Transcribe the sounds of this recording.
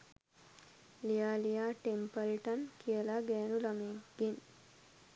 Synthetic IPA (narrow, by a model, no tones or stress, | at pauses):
lijaːlijaːʈempəlʈankʰijəlaɡɛːnulameɡ̥en